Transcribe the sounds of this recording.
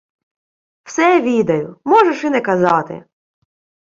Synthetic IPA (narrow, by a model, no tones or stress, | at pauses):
wsɛʋʲid̪ɐjʊmɔʒeʃɪnɛkɐzɑt̪ɪ̰